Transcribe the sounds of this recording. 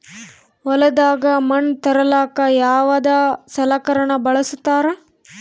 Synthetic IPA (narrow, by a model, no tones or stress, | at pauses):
ʋɔlɐd̪aːɡɐmɐnt̪ɐɾɐlaːkɐjaːʋɐd̪asɐlaːkɐɾɐɳɐbɐɭɐsut̪ːaːɾe